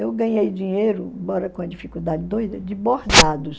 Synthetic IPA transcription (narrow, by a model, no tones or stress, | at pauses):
ewɡɐ̃ɲejd͡ʒĩɲejɾʊ̃mbɔɾɐkõɐd͡ʒifikud̪ad͡ʒɪd̪ojd̪ɐd͡ʒɪbohd̪ad̪ʊs